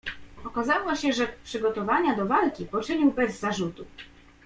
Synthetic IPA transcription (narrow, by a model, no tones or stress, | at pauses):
ɔkazawɔɕɛʐɛpʂɘɡɔt̪ɔvaɲad̪ɔvalkʲipɔt͡ʂɘɲiwbɛzːaʐut̪u